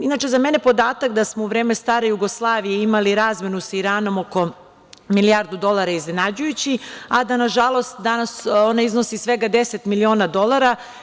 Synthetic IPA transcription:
inat͡ʃe̞zamenepo̞d̪aːt̪akd̪asmouʋɾe̞ːme̞st̪aːɾe̞juɡoslˠaːʋijeimaliɾaːzme̞nusaiɾaːno̞mo̞ko̞ | milijaɾd̪ud̪o̞lˠaɾaiznenad͡ʑujut͡ɕiad̪anaʒalˠo̞st̪d̪anasonaiznosisʋe̞ɡad̪eset̪milio̞ːnad̪o̞lˠaɾa

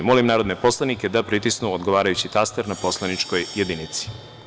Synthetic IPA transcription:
mo̞limnaːɾod̪ne̞po̞slˠaniked̪apɾit̪isnuod̪ɡoʋaːɾajut͡ɕit̪ast̪eɾnapo̞slˠanit͡ʃko̞jje̞d̪init̪si̥

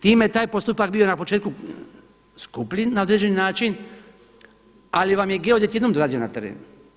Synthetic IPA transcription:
t̪iːmejet̪aːjpost̪upak̚bio̞napo̞t͡ʃeːt̪ku | skupʎinao̞d̪ɾe̞d͡ʑe̞ninaːt͡ʃin | aliʋamjeɡe̞od̪et̪jed̪nomd̪oaːzio̞nat̪e̞ɾḛːnu

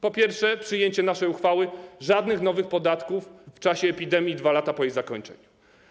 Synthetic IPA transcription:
pɔpʲjɛɾfʂɛpʂɘjeɲt͡ɕɛnaʂɛjuxfawɘʐad̪nɘxn̪ɔvɘxpɔd̪at̪kufːt͡ʂaɕɛːpʲid̪ɛmʲjid̪valat̪apɔjejzakɔɲt͡ʂɛ̰ɲu

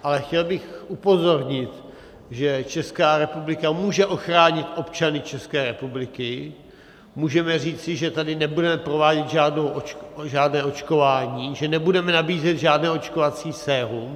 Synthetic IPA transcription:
ʔalɛxcɛlbɪxʔupo̞zo̞ɾɲɪt̪ | ʒɛt͡ʃɛskaːɾɛpublɪkamuːʒɛʔo̞xɾaːɲɪt̪ʔo̞pt͡ʃanɪt͡ʃɛskɛːɾɛpublɪkɪ | muːʒɛmɛriːt͡sɪʒɛt̪adɪnɛbudɛmɛpɾo̞vaːɟɛt̪ʒaːdnowʔot͡ʃʒaːdnɛːʔo̞t͡ʃko̞vaːɲiːʒɛnɛbudɛmɛnabiːzɛt̪ʒaːdnɛːot͡ʃkovat͡siːsɛːɦum

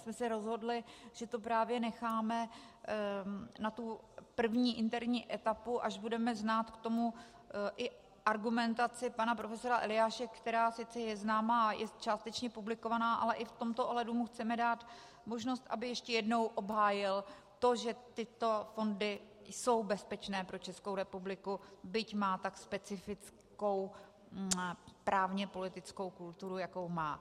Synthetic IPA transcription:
smɛsɛɾo̞zɦo̞dlɪʒ̥ɛt̪o̞p̬ɾaːvjɛnɛxaːmɛ | nat̪u | pr̩vɲiːʔɪnt̪ɛɾɲiːʔɛt̪apuʔaʒbudɛmɛznaːt̪kt̪o̞mu | ʔɪ | ʔaɾɡumɛnt̪at͡sɪpanapɾo̞fɛso̞ɾaʔɛ̰lɪjaːʃɛkt̪ɛɾaːsɪt͡sɛjɛznaːmaːjɛ̰t͡ʃaːst̪ɛt͡ʃɲɛpublɪko̞vanaːʔa̰lɛʔɪft̪o̞mt̪oʔoɦlɛdumuxt͡sɛmɛdaːt̪ | moʒno̞st̪ʔa̰bɪjɛʃcɛjɛdno̞wʔo̞bɦaːjɪl | t̪o̞ʒɛt̪ɪt̪o̞fo̞ndɪ | so̞wbɛspɛt͡ʃnɛːpɾot͡ʃɛskowɾɛpublɪkubɪcmaːt̪akspɛt͡sɪfɪt͡s | ko̞w | pɾʔaːvɲɛpo̞lɪt̪ɪt͡sko̞wkult̪uɾujako̞wmaː

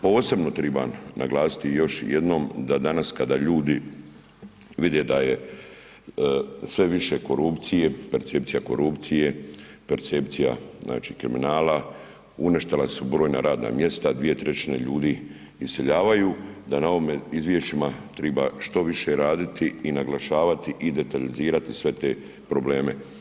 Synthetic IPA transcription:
po̞ːse̞bno̞t̪ɾiba̰nna̰ɡlˠaːsi̥t̪ijo̞ʃjed̪no̞ːmd̪ad̪anaskad̪aːʎuːd̪i | ʋid̪ed̪aje̞ | sʋe̞ʋiʃe̞ko̞ɾupt̪sije̞peɾt̪sep̚t̪ijako̞̰ɾupt̪sije̞peɾt̪se̞pt̪sija̰znʔa̰ːt͡ʃiːkɾiminaːla | uneʃt̪elasubɾo̞ːjna̰ɾaːd̪na̰mje̞st̪ad̪ʋije̞t̪ɾe̞t͡ɕine̞̰ʎuːd̪i | iseʎaːʋajuːd̪anao̞ʋimeizʋje̞ʃt͡ʃimat̪ɾɛbaʃt̪o̞ʋiʃe̞ɾaːd̪it̪iinaɡlaʃaːʋat̪iʔid̪e̞t̪aliziːɾat̪isʋe̞t̪e̞ | pɾoble̞ːme

